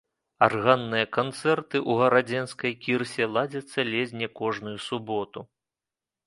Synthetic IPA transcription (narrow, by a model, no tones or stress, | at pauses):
arɣanːɨjɐkant̪sɛrt̪ɨʔuɣɐɾad͡zʲɛnskɐjkʲirsʲɛlˠad͡zʲɐt̪sːɐlʲezʲnʲɛkɔʐnujusubɔt̪u